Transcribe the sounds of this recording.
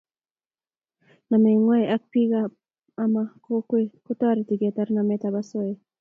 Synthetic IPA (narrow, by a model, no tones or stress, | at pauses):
nameŋweak̚piɡa | amakokwekut̪aɾit̪iɡet̪aɾnamet̪abasoe